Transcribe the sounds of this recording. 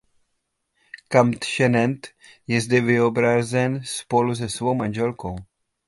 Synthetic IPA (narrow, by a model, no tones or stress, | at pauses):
kamt̪ʃɛnɛnt̪ | jɛzdɛvɪobɾazɛnspo̞luzɛsvowmanʒɛlkow